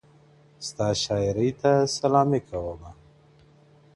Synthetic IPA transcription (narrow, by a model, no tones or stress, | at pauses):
st̪ɑʃɑɪɾijt̪asalɑmikʰawəma